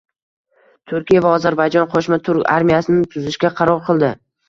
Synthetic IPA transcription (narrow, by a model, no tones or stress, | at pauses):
t̪ʰʊɾkʲijavaɒzaɾbajd͡ʒɒnqʰoʃmat̪ʰʊɾkʲa̰ɾmijasɪnɪt̪ʰʊzɪʃkʲaqʰɑɾɒɾqʰɨlˠd̪ɪ